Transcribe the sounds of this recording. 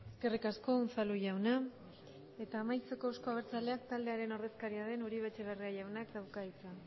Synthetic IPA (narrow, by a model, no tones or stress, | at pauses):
eeske̞rikasko̞unt͡saluʝawna | e̞t̪aːmajt͡se̞ko̞usko̞aβ̞e̞ɾt͡sale̞akt̪ald̪e̞aɾe̞no̞ɾðe̞skaɾiaðe̞nuɾiβ̞e̞t͡ʃe̞β̞eriaʝawnakd̪awkait͡sa